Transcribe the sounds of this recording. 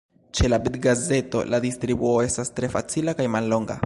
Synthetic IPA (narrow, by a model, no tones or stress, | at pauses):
t͡ʃe̞labitɡaze̞to̞̰lʔadistɾibuo̞e̞stastɾe̞fat͡silakajmalːo̞ŋɡa̰